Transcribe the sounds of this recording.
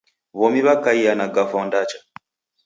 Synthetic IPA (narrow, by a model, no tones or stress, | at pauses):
βɔmiβakaijanaɡafɔndat͡ʃḁ